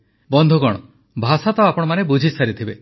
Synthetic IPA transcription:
bɔnd̪ʱuɡɔɽ̃ɔ | bʱasat̪ɔapɔɽ̃ɔmanebud͡ʒʱisaɾit̪ʰibe

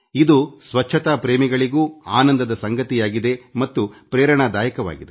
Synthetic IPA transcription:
id̪usʋɐt͡ʃʰːɐt̪aːpɾeːmiɡɐɭiɡuːaːnɐnd̪ɐd̪ɐsɐŋɡɐt̪ijaːɡid̪e̞mɐt̪ːupɾɛːɾɐɳaːd̪aːjɐkɐʋa̰ːɡid̪e

